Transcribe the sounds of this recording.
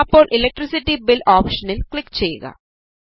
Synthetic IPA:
ɐpːo̞ːɭʔilek̚ʈrisitːibiloːpʂɐnilkɭikːt͡ɕejːṵɣɐ̰

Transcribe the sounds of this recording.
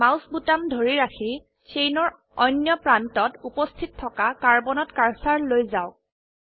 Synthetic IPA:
mawsbutamdʱoɹiɹaxʰi | sejnɔɹ | ɔjnjɔpɹantɔtupɔstʰitʰːɔkakaɹbɔnɔtkaɹsaɹlojzaʊk̚

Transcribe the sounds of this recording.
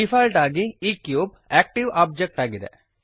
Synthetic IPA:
ifaːlʈaːɡiiːkjuːb | eːk̚ʈiʋʔaːb̚d͡ʒek̚ʈaːɡiðɐ̰

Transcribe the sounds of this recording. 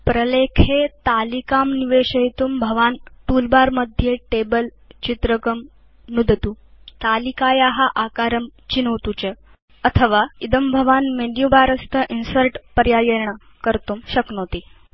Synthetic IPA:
pɾəlekʰet̪alikamniʋeɕəjit̪umbʱəʋanʈulbaɾməd̪ʱːjeʈebəl | t͡ɕit̪ɾəkəm | nud̪t̪ut̪alikajaɦaʔakaɾəmt͡ɕinəʋt̪ut͡ɕe | ət̪ʰəʋaid̪əmbʱəʋanmeɖjubaɾəst̪ʰəʔinsəɾʈpəɾjajeɾɳa | kəɾt̪uːmɕəknot̪iː

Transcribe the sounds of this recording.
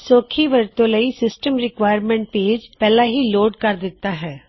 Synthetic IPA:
soːkʰiːʋəɾt̪õːləisɪsʈəmɾɪkʋaːɪəɾmɛ̃ɳʈ̚peːd͡ʒpɛːlaːɦiːloːɖkəɾd̪ɪt̪ːaːɦɛː

